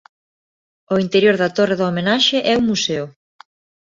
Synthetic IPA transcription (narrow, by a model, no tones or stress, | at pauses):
oint̪eɾjoɾðat̪oreðoomenaʃeʔɛumːuseʊ